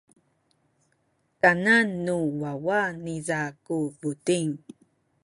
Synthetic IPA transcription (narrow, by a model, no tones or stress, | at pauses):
kananːuwawanizakuvutiŋ